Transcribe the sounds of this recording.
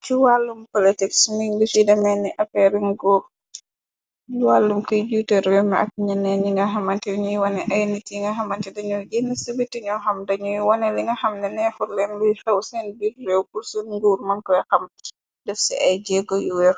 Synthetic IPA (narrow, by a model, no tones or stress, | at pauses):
t͡ʃiwalːumpolitiksmiŋdɛfidɐmɛnːiʔɐpɛɾiŋɡuːɾ | iwalːumkujd͡ʒutɛɾɛmɐʔɐ̰k̚ɲɐnɛniŋɡɐɦɐmɐntɛɲujwɐnɛʔɐjnitiŋɡɐɦɐmɐntɛdɐɲuɡɛnɐsəbitːiɲɔxɐmdɐɲujiwɐnɛliŋɡɐxɐmnɛnɛfuɾlɛnlujhɐwsɛnbirːɛwkursunɡuːrmɐnkɔjxɐm | dɛfsiʔɐjd͡ʒɛɡɔjuwɛr